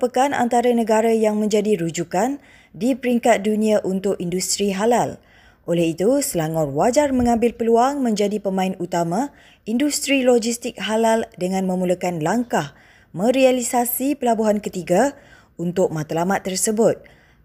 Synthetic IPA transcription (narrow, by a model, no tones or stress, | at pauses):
pəkana̰nt̪aɾanə̃ɡaɾajaŋmə̃ɲd͡ʒadiɾud͡ʒukan | dipəɾiŋkat̪̚dunĩãʔunt̪ʊkindust̪ɾiɦalal | ʔolɛɦit̪usəlaŋɔrwad͡ʒarmə̃ŋãmbɪlpəluaŋmə̃ɲd͡ʒadipəmãɪnut̪amã | indust̪ɾilod͡ʒist̪ɪk̚ɦalaldəŋãnmə̃muləkanlaŋkah | mə̃ɾialisasipəlabuɦankət̪iɡa | unt̪ʊk̚mãt̪əlamat̪ːərsəbʊt̪̚